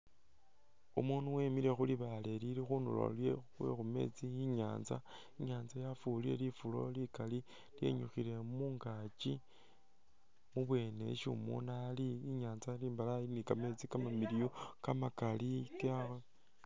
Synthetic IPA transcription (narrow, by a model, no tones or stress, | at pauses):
umunuwe̞miɾe̞xuliβale̞liɾixuːnulo̰ljewe̞̰xume̞̰t͡siiɲaːnza̰ | iɲaːnzajafuliɾe̞̰lifulo̞likali | lje̞̰ɲuxile̞muːŋɡat͡ʃi | muβwe̞ːne̞̰ʃṵmṵnaliiɲaːnzaliːmbalainikame̞t͡sikamamiɾijokamakalikaxe